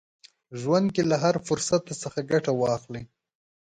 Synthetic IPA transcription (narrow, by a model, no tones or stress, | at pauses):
ʒwand̪̚kelaɦaɾfʊɾsat̪asəxaɡaʈawɑxli